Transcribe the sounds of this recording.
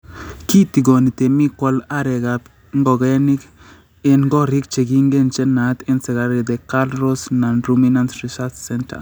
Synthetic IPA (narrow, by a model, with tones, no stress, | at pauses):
ki˦t̪i˨ɡo˨ni˨t̪e˨mi˦kwɔ˦la˦ɾɛ˨ɡa˨p | ŋɡɔ˨ɡɛ˦nɪ˦k | e˨nɡɔ˦ɾɪ˦k̚t͡ʃe˨ɡi˦ŋɡe˦˨nt͡ʃe˦na˨t̪ɪ˦nsɪ˨ɡa˨ɾi˨d̪ɛ˨ka˦lɾɔ˦sna˨nɾumina˦nsɾi˨sat͡ʃsɛ˦ntʰa̰